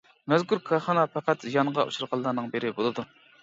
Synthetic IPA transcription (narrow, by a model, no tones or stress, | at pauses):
mɛzkʰuɾkʰɑχɑnɑpʰɛqæt̪zijɑɴʁɑʔṵʃuɾʁɑlˠːɑɾnɨŋbeɾɪbolˠɨd̪u